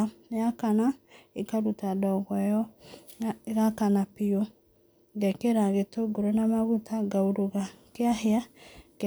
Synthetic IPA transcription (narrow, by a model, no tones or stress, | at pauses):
jakanaekaɾutadɔɣwajɔ | ɣakanapio | ɡɛkeɾaɣetoɡoɾonamaɣutaɡaoɾoɣakeaheak